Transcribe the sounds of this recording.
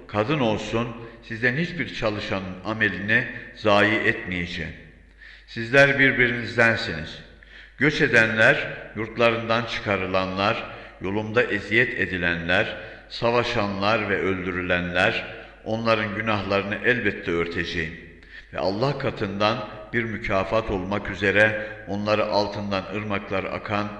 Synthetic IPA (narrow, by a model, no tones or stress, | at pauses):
kʰad̪ɯno̞lˠsunsizd̪ænhit͡ʃbiɾt͡ʃʰalˠɯʃanɯname̞lʲinizaːjiʔɛt̪mijed͡ʒɛ̰jim | sizlʲæɾbiɾbiɾinizd̪ænsinḭz̥ | ɟ̥ø̞t͡ʃe̞d̪ænlʲæɾjuɾt̪lˠaɾɯnd̪ant͡ʃʰɯ̥kʰaɾɯlˠanlˠaɾjo̞lˠumd̪aʔezijɛt̪ʰe̞d̪ilʲænlʲæɾ | savaʃanlˠaɾvɛʔø̞lʲd̪yɾylʲænlʲæɾ | o̞nlˠaɾɯnɟynaɦlˠaɾɯnɯʔɛlʲbɛt̪ʰːɛøɾt̪ʰe̞d͡ʒejim | vɛ̰ʔa̰lˠːahkʰat̪ʰɯnd̪anb̥iɾmycʰaːfat̪ʰo̞lˠmakyze̞ɾɛo̞nlˠaɾɯʔalˠt̪ʰɯnd̪anɯɾmaklˠaɾɯa̰kʰan